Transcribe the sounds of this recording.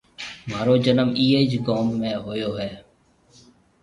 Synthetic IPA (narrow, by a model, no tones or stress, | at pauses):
maːɾoːd͡ʒənəmiːeːd͡ʒɡoːmːẽːɦoːjoːɦɛː